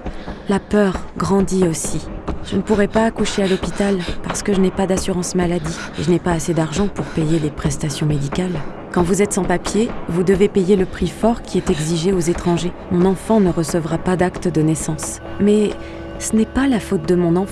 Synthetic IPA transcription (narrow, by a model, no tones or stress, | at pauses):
lapœʁɡʁɑ̃d̪iosiʒ̥ənəpuʁɛpaːkuʃealɔpit̪alpaʁsə̥kəʒənɛpad̪asyʁɑ̃smalad̪i | ḛʒənɛpaːsed̪aʁʒɑ̃puʁpejelepχɛst̪asjɔ̃med̪ikʲal | kɑ̃vuzɛt̪sɑ̃papjevud̪əvepejeləpχifɔʁkʲiɛt̪ɛɡziʒeozet̪χɑ̃ʒemɔ̃nɑ̃fɑ̃nəʁəsəvʁapad̪akt̪əd̪ənɛsɑ̃s | mɛ | sənɛpalafot̪̚d̪əmɔ̃nɑ̃